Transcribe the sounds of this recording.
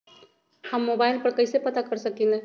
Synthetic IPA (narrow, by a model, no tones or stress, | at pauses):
hɐmːoːbaːɪlpɐɾkɐɪsepɐt̪akɐɾsɐkine